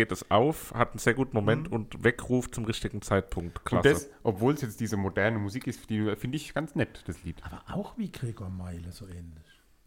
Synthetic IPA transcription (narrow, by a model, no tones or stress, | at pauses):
ɡeːtɛsʔaʊfhatn̩z̥eːɐɡuːtn̩momɛntʊntvɛkʁuːft͡sʊmʁɪçtɪɡŋ̩t͡saɪt̚pʰʊŋktkʰl̥asəsʔɔpv̥oːlsjɛt͡std̥iːzəmodɛɐnəmuziːkɪstd̥iːfɪndəɪçɡ̥ant͡snɛtd̥asliːtaːbɐʔaʊxviːɡʁeːɡoːɐmaɪləzoːʔɛːnlɪç